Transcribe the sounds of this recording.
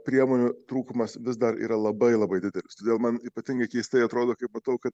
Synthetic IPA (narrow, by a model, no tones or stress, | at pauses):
pʲɾʲiɛmoːnʲʊt̪ɾuːkʊmɐsʋʲɪzd̪ɐɾḭːɾɐlˠɐbɐɪlˠɐbɐɪd̪ʲɪd̪ʲɛlʲɪst̪oːd̪ʲeːlˠmɐniːpɐt̪ʲɪŋɡɐɪkʲɛɪsʲt̪ʲɛɪɐt̪ɾoːd̪oːkɐɪpmɐt̪ɐʊkɐt̪